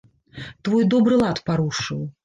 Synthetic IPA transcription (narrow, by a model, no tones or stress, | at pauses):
t̪vɔjd̪ɔbɾɨlˠat̪paɾuʂɨw